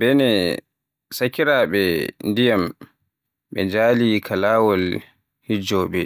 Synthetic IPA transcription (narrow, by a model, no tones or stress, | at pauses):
bɛnɛ | sakiɾaɓɛndijam | ɓɛ̰d͡ʒaːlikʰalaːwɔl | hid͡ʒɔːɓɛ